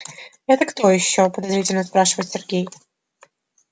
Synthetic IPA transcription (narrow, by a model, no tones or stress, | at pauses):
ɛt̪əkt̪ojɪɕːopəd̪ɐzɾʲitʲɪlʲnəspɾaʂɨvəjt̪ʲsʲɪrɡʲej